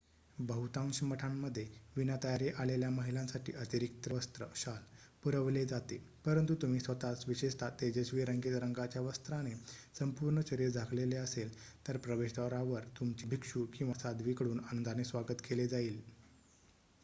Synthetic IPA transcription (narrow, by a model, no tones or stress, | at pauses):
bəɦut̪ãŋɕəməʈʰamːəd̪ʱːjeʋinat̪əjaɾjeʔaleljaməɦilãnsaʈʰḭːʔət̪iɾik̚t̪əʋəst̪ɾə̰ɕal | puɾəʋled͡zat̪e | pəɾənt̪ut̪um̤iːsʋət̪asʋiɕeʂt̪ʰat̪ed͡ʑeɕʋiːɾəŋɡet̪ɾəŋɡat͡ɕjaʋəst̪ɾanesəmpuːɾɳət͡ɕəɾiɾd͡zʱakleleəselt̪əɾpɾəʋeɕd̪aɾaʋəɾt̪umt͡ɕiːbʱikʂukĩw̃ʋasad̪ʋikɽuːnanənd̪ʱanesʋaɡət̪keled͡zaiːl